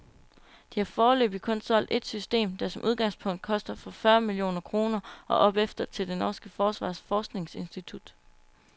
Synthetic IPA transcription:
d̥ihɑ̈fɒːlø̰ːb̥ikʰɔ̽nsɒ̽l̰d̥e̝d̥sysd̥e̝̰ːmd̥ɑ̈sɒ̽mʔuð̞ˠɡ̥ɑ̈ŋspʰɔ̽ŋ̰d̥̚kʰɒ̽sd̥ɐfɒfɶɐmilio̝̰ːnɐkʰʁo̝ːnɐʔɒ̽ʔɒ̽b̥efd̥ɐt͡sʰe̝ld̥e̝nɒːsɡ̥əfɒːsʋɑ̰̈ːsfɒːsɡ̥ne̝ŋse̝nsd̥it͡sʰud̥

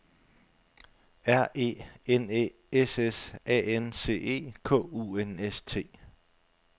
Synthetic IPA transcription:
æɐ̰e̝̰ːene | esesɛ̰ːense̝̰ːe̝̰ːkʰɔ̰̽ːuːenest͡sʰe̝̰ː

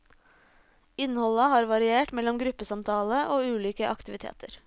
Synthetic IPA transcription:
ɪnhɔlɑhɑːɾʋɑɾɪeːʈmɛlɔmɡɾʉpəsɑmt̪ʰɑːləʔoːʉːliːkəʔɑkt̪ɪʋɪt̪ʰḛːt̪ʰəɾ

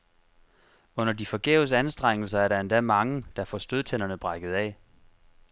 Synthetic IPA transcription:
ɔ̽n̰ɐd̥ifɒ̽ɡ̥ḛːʊsænsd̥ʁeŋ̰l̩sɐæɐɾɑ̈e̝nd̥æmɑ̈ŋəd̥ɑ̈fɒsd̥øðˠt͡sʰen̰ɐnəb̥ʁɑ̈ɡ̥ð̞̩ˠɛ

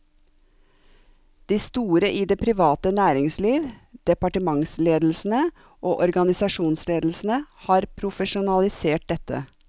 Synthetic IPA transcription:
d̪̥iːst̪uːɾəʔiːd̪eːpʰɾɪʋɑːt̪ənæːɾɪŋsliːʋd̪̥ɛpɑʈəmɑŋsleːd̪l̩sn̩ə | ʔoːʔɔɾɡɑnɪsɑʃuːnsleːd̪l̩sn̩əhɑːɾpʰɾʊfəʃʊnɑlɪseːʈ̚d̪ɛt̪ə̰

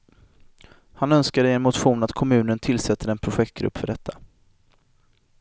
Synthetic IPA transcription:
hanœnskad̪ɪɛnmʊt̪ɧuːnat̪kʰɔmʉ̟ːnənt̪ʰɪlsɛt̪ːəɾɛnpʰɾʊɧɛk̚t̪̚ɡɾɵ̰pːfœɖɛt̪ʰːḁ

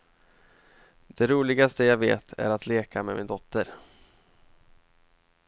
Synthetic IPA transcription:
d̪̥ɛɾuːlɪɡast̪əjaːveːt̪ʰæ̰ɾat̪ʰleːkʰamɛmɪnd̪ɔt̪ːəɾ

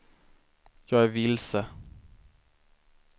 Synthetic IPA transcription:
jɑːɡæɾvɪlsə

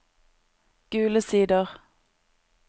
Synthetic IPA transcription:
ɡ̥ʉːləsiːd̪əʁ

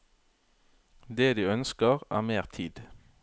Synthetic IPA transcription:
d̪eːd̪ʉːœnskəʁæ̰ːʁmeːʁt̪ʰiːd̪

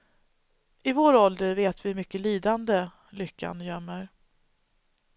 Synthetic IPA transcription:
ɪvoːɾɔld̪əɾveːt̪vɪmʏkːəliːd̪and̪ə | lʏkʰːa̰njœmːəɾ

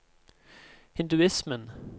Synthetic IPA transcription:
hɪnd̪ʉɪsmən

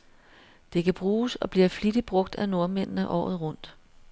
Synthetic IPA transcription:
d̥e̝kʰæb̥ʁuːsɒ̽b̥liɐflid̥ib̥ʁɔ̽ɡ̥̚d̥æno̝ɐmen̰nəʔɒ̰ːð̩ˠʁɔ̽n̰d̥

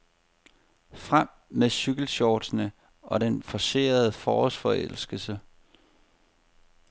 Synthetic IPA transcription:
fʁam̰ | meɕyɡ̥l̩ɕɒːd̥snə | ɒ̽ɾ̥enfɒ̽se̝̰ːɐðˠəfɒːsfɒ̽el̰sɡ̥əsə

